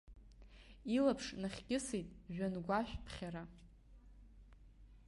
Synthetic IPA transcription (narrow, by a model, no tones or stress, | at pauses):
ilapʰʂnaχʲkʲʼɪsejtʼʒᶣanɡʷaʃᶣpʰχʲaɾa